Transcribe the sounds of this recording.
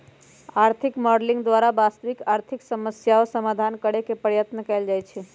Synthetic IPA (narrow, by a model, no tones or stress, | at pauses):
aɾt̪ʰikmɔɖlĩŋɡd̪ʋaɾabast̪əʋikaɾt̪ʰɪksəməsjaosəmad̪ʱankəɽekepəɾjət̪nəkɛld͡ʒajt͡ʃʰe